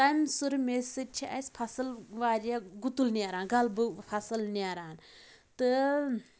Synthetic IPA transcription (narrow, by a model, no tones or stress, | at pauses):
t̪ɐmʲsɨɾmesit͡ʃʰiʔɐjsʲpʰɐsɨlʋaːɾjaɡut̪ulnʲaːɾaːnɡɐlbɨpʰɐsɐlnʲaɾaːn | t̪ɨ